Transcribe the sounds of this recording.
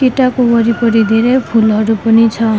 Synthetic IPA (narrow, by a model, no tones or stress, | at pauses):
kiʈakubɔɾipɔɾid̪ʱiɾepʰulɔɾupɔnit͡ʃʰɔ